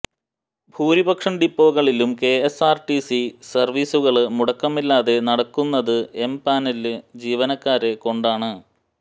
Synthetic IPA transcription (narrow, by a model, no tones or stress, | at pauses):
bʱuːɾibɐkʂɐɳɖipːo̞ːɣɐɭilumke̞esaːrʈisisɐrʋiːsuɣɐɭmuɽɐkːɐmilːaːðe̞nɐɽɐkːunːɐðɨe̞mpaːnelɨd͡ʑiːʋɐnɐkːaːɾeko̞ɳɖaːɳɨ